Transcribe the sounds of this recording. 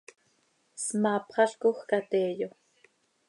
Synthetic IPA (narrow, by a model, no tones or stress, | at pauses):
smɑːpχɑɬkoxkat̪eːjo